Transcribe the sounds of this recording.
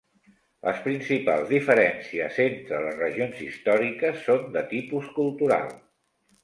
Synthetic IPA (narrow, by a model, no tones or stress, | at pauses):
lʔə̰spɾinsipa̰lˠzðifəɾɛnsiəzent̪ɾələzrəʒionzḭst̪ɔɾikəsːond̪ət̪ipuskulˠt̪uɾa̰lˠ